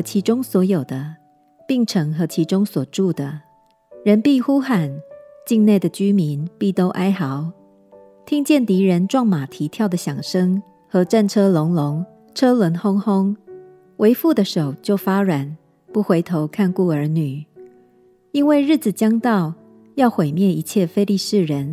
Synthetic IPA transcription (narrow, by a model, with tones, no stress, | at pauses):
ɤ˧˥t͡ɕʰi˧˥ʈ͡ʂʊ˥ŋswɔ˧˥jo˨˩ʊd̪ə˦ | pi˥˩ŋʈ͡ʂʰɤ˧˥ŋxɤ˧˥t͡ɕʰi˧˥ʈ͡ʂʊ˥ŋswɔ˨˩ʈ͡ʂu˥˩d̪ə˩ | ɻə˧˦˥npi˥˩xu˥xa˨˩nt͡ɕi˥˧ŋne˥˩d̪ə˩t͡ɕy˥mi˧˦npi˥˩t̪o˥ʊʔa˥ɪxɑ˧˦ʊ | t̪ʰi˥ŋt͡ɕjɛ˥˩nt̪i˧˥ɻə˧˦nʈ͡ʂwɑ˥˩ŋma˨˩t̪ʰi˧˥t̪ʰjɑ˥˩ʊd̪ə˩ɕjɑ˨˩ŋʂɤ˥ŋ | xɤ˧˥ʈ͡ʂa˥˩nʈ͡ʂʰɤ˥lʊ˧˥ŋlʊ˧˥ŋ | ʈ͡ʂʰɤ˥lwə˧˥nxʊ˥ŋxʊ˥ŋ | wʔe˧˥ɪfu˥˩d̪ə˩ʂo˨˩ʊt͡ɕjo˥˩ʊfa˥ɻwa˨˩n | pu˥˩xwe˧ɪt̪ʰo˧˦ʊkʰa˥˧nku˥˩ə˞˧˥ny˨˩ | i˥nwe˥˩ɪɻɻ̩˥˩d͡z̩˨˩t͡ɕjɑ˥ŋt̪ɑ˥˨ʊ | jɑ˥˩ʊxwe˨˩ɪmjɛ˥˩ni˧˥t͡ɕʰjɛ˥˩fe˥ɪli˥˧ʂɻ̩˥˩ɻə˧˦n